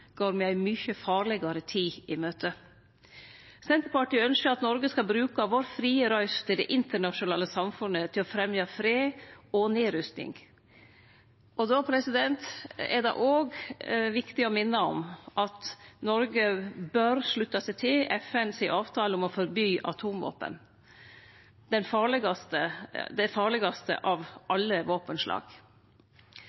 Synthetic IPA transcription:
ɡ̥oːɾmɛæɪmʏçəfɑːɾlɛɡɑɾət̪ʰiːɪmøːt̪ʰə | sɛnt̪əɾpɑʈiːœnskəɾɑt̪nɔɾɡəskɑbɾʉːkɑʋoːɾfɾiːəɾɑʏst̪ʰɪld̪ɛʔɪnt̪əɳɑʂʊnɑːləsɑmfʉnət̪ʰɪlɔfɾɛmjɑfɾeːɔneːɾʏst̪ɪ̰ŋ | ɔd̪ɔpʰɾɛsɪd̪ɛnt̪ɛ̰ɖɛ̰ʔoːɡʋɪkt̪ɪɔmɪnːəɔ̰mʔɑt̪nɔɾɡəbøɾʂɭʉt̪ːɑsɛɪt̪ʰɪlɛfɛnsiʔɑːʋt̪ʰɑːlɔmɔfɔɾbyːʔɑ̰t̪ʰuːmʋo̰ːpə̰n | d̪̥ɛnfɑːɭɪɡɑst̪əd̪ɛfɑːɭɪɡɑst̪ə̰ʔɑʋʔɑlːəʋoːpənʂlʔɑ̰ːɡ̥

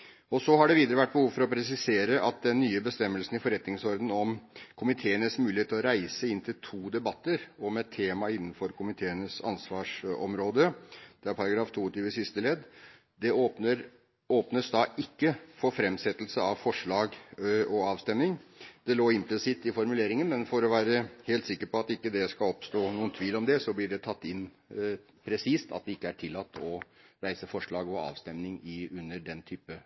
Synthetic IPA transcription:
ɔsɔɦɑɖɛʋiːd̪əɾəʋæʈ̚ːbəhuːʋfɔɾɔpʰɾɛsɪseːɾəʔɑt̪̚d̪ɛnːyːəbəst̪ɛmːəlsn̩ɪfɔɾɛt̪nɪŋsɔɾd̪ən̩ɔmkʰʊmɪt̪ʰeːənəsmʉːlɪeːt̪ʰlɔɾæɪsəɪnːt̪ʰɪlt̪ʰuːd̪ɛbɑt̪ːəɾɔmɛt̪ʰːeːmɑɪnːənfɔɾkʰʊmɪt̪ʰeːənəsɑ̰nsʋɑːʂɔ̰mɾoːd̪əd̪̥ɛæɾpʰɑɾɑɡɾɑːft̪ʰuːt̪ɪʋəsɪst̪əlɛd̪ː | d̪ɛoəɾ | oːpnəsd̪ɑːʔɪkːəfɔɾfɾɛmsɛt̪ːəlsəɑʋfɔʂɭɑːɡɔɑːʋst̪ɛmnɪŋd̪̥ɛloːɪmplɪsɪt̪ːɪfɔɾmʉleːɾɪŋənmɛnfɔɾɔʋæːɾəheːlt̪sɪkːəɾpɔɑt̪ɪkːəd̪ɛskɑlɔpst̪oːnuːənt̪ʰʋiːlɔmd̪ɛsɔblɪɖɛt̪ʰɑt̪ːɪnː | pʰɾɛsiːst̪ɑ̰t̪̚d̪ɛɪkːəæʈʰɪlːɑt̪ːɔɾæɪsəfɔʂɭɑːɡɔɑ̰ːʋst̪ɛmnɪŋɪʉnːəɖɛnt̪ʰyːpə

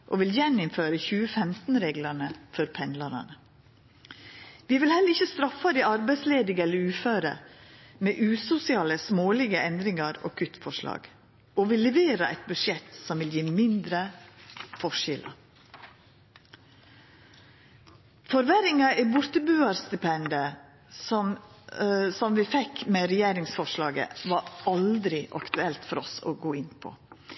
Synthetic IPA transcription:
ʔo̰ːʋɪljɛnɪmføːɾəçʉːəfɛmt̪n̩ɾeːɡlɑnəfɔɾpʰɛnd̪lɑɾɑ̰nə | ʋiːʋɪlhɛlːəɾɪçəst̪ɾɑfːɑd̪iːɑɾbæɪsleːd̪ɪŋɛləɾʉːføːɾə̰meːʔʉːsʊsɪɑːləsmoːlɪɡəʔɛnd̪ɾɪŋɑɾo̰ːkʰʉt̪ːfɔʂlɑ̰ːɡ̥ | oːʋɪlːɛʋeːɾəʔɛɪt̪̚bʉʂjɛt̪sɔmʋɪljiːmɪnd̪ɾə | fɔʂɪlʔɑ̰ | fɔɾʋæɾɪŋɑibʊɾt̪əbʉːɑɾst̪ɪpɛnd̪ə | sɔm | sɔmʋɪfɛkmeːɾɛjeːɾɪŋsfɔʂɭɑːɡə̰ʋɑɾɑld̪ɾɪʔɑ̰kt̪ʉɛlt̪fɔɾɔ̰so̰ːɡoːɪnpʰɔ̰

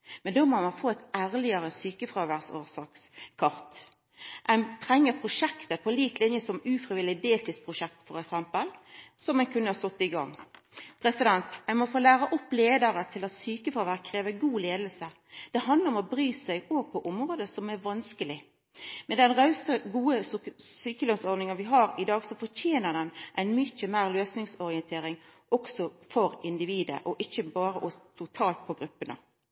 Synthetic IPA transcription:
mɛnd̪oːmɔmɑnfoːæɪt̪æːʁlɪəɾəsyːkəfʁɑːʋæʁsoːʁsɑːkskʰɑɾt̪ | ʔæɪnt̪ʰʁɛŋːəpʰʁʊʂɛkt̪əpʰɔliːkt̪lɪnjəsɔmʉːfɾɪʋɪlɪd̪eːlt̪ʰɪspʰʁʊʃɛk̚t̪fɔɾɛksɛmpəlsɔmæɪnkʰʉnːəhɑst̪ɔt̪ːɪɡɑ̰ŋːpʰɾɛsɪd̪ɛnt̪æɪnmɔfoːlæːɾəʔɔpːleːd̪əɾət̪ʰɪlɑt̪syːkəfɾɑːʋæɾkʰɾeːʋəɡuːleːd̪əl̩sə | d̪̥ɛhɑnd̪ləɾɔmɔbɾyːsæɪɡoːɡ̚pʰɔʔɔmʁoːd̪əsɔmæʋɑnskəlɪ | mɛnd̪ɛnʁɑʉsəɡuːəsyːkəløːnsɔɾd̪nɪŋənʋɪɦɑːɾɪd̪ɑːɡsɔfɔtʰeːnəd̪ɛnʔæɪnmʏçəmæɪʁløːsnɪŋsɔɾɪənt̪ʰeːɾɪŋʔɔksɔfɔɾɪnd̪ɪʋiːd̪ə̰ʔɔʔɪçːəbɑːɾəʔɔst̪ʰʊt̪ʰɑːlt̪̚pʰɔɡɾʉpːənə̰

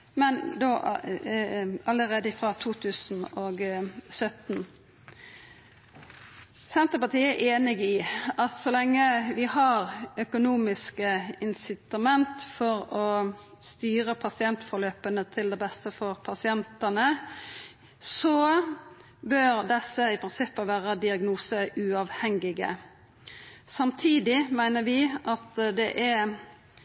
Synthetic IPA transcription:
mɛnd̪o | ɑlːəʁeːd̪əɪfʁɑt̪ʰuːt̪ʰʉːsn̩oːɡsœt̪n̩ | sɛnt̪ʁəpɑt̪ʰiːæʔeːnɪɡɪʔɑt̪sɔlɛŋːəʋɪhɑʁœkʊnuːmɪskəɪnsɪt̪ɑmɛnt̪fɔɾɔ | st̪yːɾəpʰɑsɪɛnt̪fɔɾløːpənət̪ʰɪld̪ɛbɛst̪əfɔʁpʰɑsɪɛnt̪ənə | sɔ | bøɾd̪ɛsːəɪpʰɾɪnsɪpːəʋæːɾəd̪ɪɑɡnuːsəʔʉɑʋhɛŋɪɡə̰ | sɑmt̪ʰiːd̪ɪmæɪnəɾʋɪʔɑt̪d̪ɛʔɛ

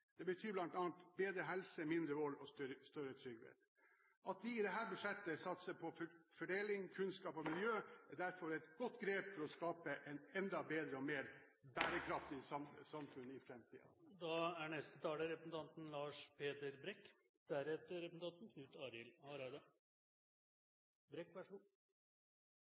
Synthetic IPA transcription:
d̪̥ɛbət̪ʰyːblɑnt̪ɑːnt̪beːd̪ɾəɦɛlsəmɪnd̪ɾəʋɔlːɔst̪st̪œɾət̪ʰɾʏɡʋḛt̪ | ʔɑt̪̚d̪ɪːd̪ɛɦæːɾbʉʂɛt̪ːəsɑt̪səpʰɔfɔɖeːlɪŋkʰʉnskɑːpɔmɪljøːæd̪æɾfɔɾɛɪt̪ɡ̥ɔt̪ːɡɾeːpfɔɾɔskɑːpəʔɛɪnɛnd̪ɑbeːd̪ɾəɔmeːɾ | bæːɾəkʰɾɑft̪ɪsɑmsɑmfʉnɪfɾɛmt̪ʰḭːɑ̰d̪ɑæɳɛst̪ət̪ʰɑːləɾɛpɾəsn̩t̪ʰɑnt̪n̩lɑːʂpʰeːt̪əɾbɾɛkː | d̪̥æɾɛt̪əɾɛpəsn̩t̪ʰɑnt̪n̩kʰnʉːt̪ɑːɾɪlɑləɾæɪd̪ə | bɾɛkːbæʂuː

